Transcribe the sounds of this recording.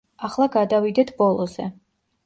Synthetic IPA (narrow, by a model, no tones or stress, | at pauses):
aχlˠaɡad̪avid̪ɛt̪ʰbɔlˠɔzɛ